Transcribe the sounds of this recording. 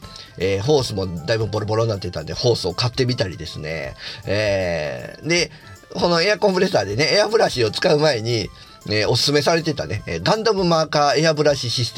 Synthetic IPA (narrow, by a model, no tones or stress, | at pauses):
eːɦo̞ːsɨmo̞d̪aibɯ̟mbo̞ɾobo̞ɾõ̞nːat̪ːet̪ã̰nd̪e̞̰ho̞ːsɨo̞kat̪ːe̞mʲit̪aɾʲḭd̪e̞sɨne̞̰e | d̪e̞ | ko̞no̞e̞akõ̞mpɯ̟ɾe̞saːd̪e̞ne̞eabɯ̟ɾaɕio̞t͡sɨ̥kaɯ̟mae̞ɲ̟i | eo̞sɨ̥sɨme̞saɾe̞t̪e̞t̪a̰ne̞eːɡãnd̪omɯ̟maːkae̞abɯ̟ɾaɕiɕisɨ̥t̪e